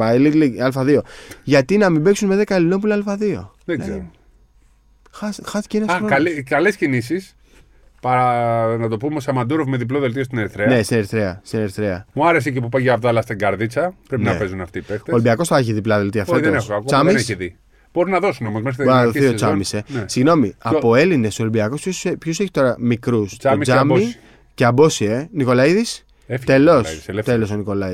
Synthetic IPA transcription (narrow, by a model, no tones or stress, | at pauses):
aeliliɐlfɐðio̞ʝɐt̪inɐmibeksunmeðe̞kɐelinop̬ulalfɐðio̞̰ðeɡzeiɾo | xɐsxɐsi̥ceenɐsaoalikɐlescinis̬is | pɐɾɐnɐt̪o̞pumeosɐmɐnd̪uɾovmeðip̬loðelt̪iost̪ineɾiθɾenest̪ineɾiθɾeɐ̰st̪ineɾiθɾeɐ̰muɐɾe̞s̬ecepupaʝɐːvðɐlɐst̪iŋɡɐɾðit͡sɐpɾeninɐepezunɐft̪ipest̪olimbiɐko̞sθɐeçiðiplɐðelt̪iɐft̪otðonexoakot͡sɐmiesiði | b̥o̞ɾunɐðo̞sunomozmexɾit̪bɾnɐɐðoθiot͡sɐmisenesiɣno̞miɐpo̞e̞line̞solimbiɐko̞spçospçoseçi̥t̪o̞ɾɐmikɾusmt͡sɐmi | ceɐbo̞sie̞niko̞lɐiðis | et̪elo̞slt̪elo̞s̬oniko̞lɐi